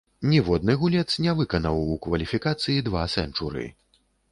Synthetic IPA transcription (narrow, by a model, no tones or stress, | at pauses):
nʲivɔd̪̚nɨɣulʲɛt̪snʲɛvɨkɐnɐwukvɐlʲifʲikat̪sɨjid̪vasɛ̰nt͡ʂuɾɨ̰